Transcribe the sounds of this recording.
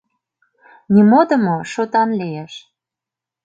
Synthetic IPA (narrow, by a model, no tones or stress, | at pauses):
nimod̪ə̆moʃot̪ɑnlijeʃ